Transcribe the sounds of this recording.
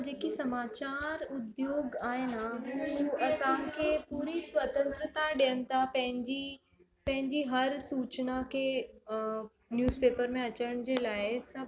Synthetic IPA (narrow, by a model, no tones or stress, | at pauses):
d͡ʑeːkisɐmaːt͡ɕaːɾʊd̪joːɡaːɪnaɦuɐsãkʰepuːɾisʋɐt̪ə̃nt̪ɾət̪aɗijənɪ̆t̪ʰapɐ̃ɦɪ̃ɲd͡ʑi | pɐ̃ɦɪ̃ɲd͡ʑiɦɐɾsuːt͡ɕnakʰe | njuːzpeːpəɾmẽɐt͡ɕəɽ̃d͡ʑeːlaːɪsɐb